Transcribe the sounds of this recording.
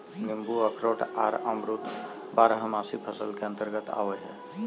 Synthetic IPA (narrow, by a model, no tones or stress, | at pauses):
mimbuəkʰɾoʈaɾəmɾut̪ | baɾɦmasipʰəsəlkeə̃nt̪əɾɡət̪a̰ʋəɦɛ